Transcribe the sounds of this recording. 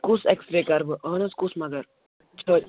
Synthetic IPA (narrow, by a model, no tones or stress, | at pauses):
kusɛkst̪ɾeːkɐɾbɨʔəːnɐskusmɐɡɐɾ | t͡ʃʰə